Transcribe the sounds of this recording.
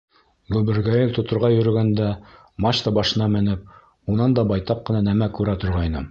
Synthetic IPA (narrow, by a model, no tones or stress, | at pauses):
ɡubɘ̆ɾɡæjɘlt̪ŏt̪ŏɾʁɑjɵ̆ɾɵ̆ɡænd̪æ | mɑɕt̪ɑbɑʃɤ̆nɑmɘ̆nɘp̚ | unɑnd̪ɑbɑjt̪ɑqːɤ̆nɑnæmækʉɾæt̪ŏɾʁɑjnɤ̰m